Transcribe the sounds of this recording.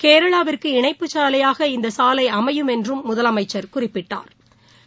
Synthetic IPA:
keːɾɐɭaːʋɪrkɯɪɳɐɪpːɯt͡ʃaːlɐjaːɣɐɪnd̪ɐsaːlɐɪɐmɐjɯmɛndrɯmːʊðɐlɐmɐɪt͡ʃːɐɾkʊrɪpːɪʈːa̰ːɾ

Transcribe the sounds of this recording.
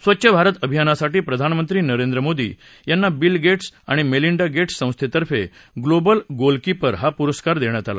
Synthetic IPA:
sʋətːɕʰəbʱaɾət̪əbʱijanasaʈiːpɾəd̪ʱanmənt̪ɾiːnəɾend̪ɾəmod̪ḭː | janːabilɡeʈsaɽ̃imeliɳɖaɡeʈssːə̃w̃st̪ʰet̪əɾfe | ɡlobəlɡolkipəɾɦapuɾəskaɾd̪eɳjat̪ala̰

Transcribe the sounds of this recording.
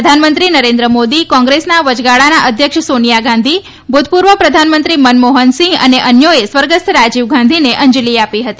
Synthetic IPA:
d̪ʱanmənt̪ɾinəɾẽnd̪ɾəmod̪ikɔ̃ŋɡɾesnaʋəd͡ʒɡaɭanaʔəd̪ʱjəkʃsonijaɡãnd̪ʱi | bʱud̪t̪puɾʋəpɾəd̪ʱanmə̃nt̪ɾimənmoɦənsɪ̃ŋɡə̰neʔənjoesʋəɾɡəst̪ʰɾad͡ʒiʋɡʱãnd̪ʱineʔə̃ɲd͡ʒliapiɦət̪i

